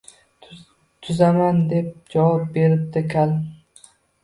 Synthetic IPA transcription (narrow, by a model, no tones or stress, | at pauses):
t̪ʰʊzamand̪e̞p̚d͡ʒavɒp̚be̞ɾɪp̚d̪ɪkʲʰal